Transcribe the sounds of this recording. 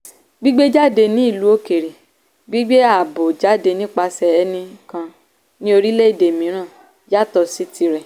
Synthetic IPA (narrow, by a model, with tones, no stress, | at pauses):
ɡ͡bi˦ɡ͡be˦d͡ʒa˦˨de˧nĩ˦i˦˨lu˨˦o˦ke˨ɾe˨ | ɡ͡bi˦ɡ͡be˦a˦˨bo˨d͡ʒa˦de˧nĩ˦k͡pa˧sɛ˧ɛ˧nĩ˧kã˧ | nĩ˦o˧ɾi˦le˦i˦˨de˨mĩ˨˦ɾ̃ã˦˨ | ja˦˨tɔ˧si˨˦ti˧ɾɛ˨